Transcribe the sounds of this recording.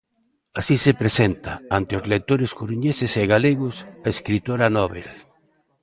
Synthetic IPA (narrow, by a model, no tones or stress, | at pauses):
asisepɾesent̪aant̪ɪozlek̚t̪oɾeskuɾuɲeseseɣaleɣʊsaeskɾit̪oɾanɔβḛl